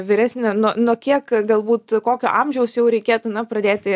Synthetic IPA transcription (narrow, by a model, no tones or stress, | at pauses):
ʋʲɪɾʲæːsʲnʲɛnuɔnuɔkʲiɛkɡɐlˠbuːt̪koːkʲoːʔɐmʲʒʲɛʊsjɛʊɾʲɛɪkʲeːt̪unɐpɾɐd̪ʲeːt̪ʲɪ